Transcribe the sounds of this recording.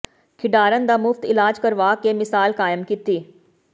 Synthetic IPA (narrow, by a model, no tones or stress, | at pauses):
kʰɪɖaːɾənd̪amʊft̪ɪlaːd͡ʒkəɾʋaːkemɪsaːlkaːjəmkit̪iː